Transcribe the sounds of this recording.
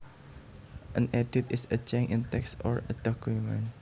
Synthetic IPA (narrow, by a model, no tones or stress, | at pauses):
ʔə̃nɛditisət͡ʃɛ̃ŋĩnt̪ɛksɔ̰ɹə̰dɔkumə̰̃n